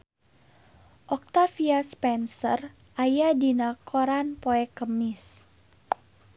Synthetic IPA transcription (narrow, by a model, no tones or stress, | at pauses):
ʔɔk̚t̪afiaspɛnsər | ʔajadinakʰoɾanpoɛkəmɪs